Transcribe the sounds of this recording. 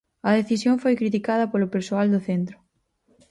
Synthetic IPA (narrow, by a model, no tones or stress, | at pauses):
ɐðeθisjoŋfojkɾit̪ikað̞ɐpolʊpeɾsoald̪ʊθent̪ɾʊ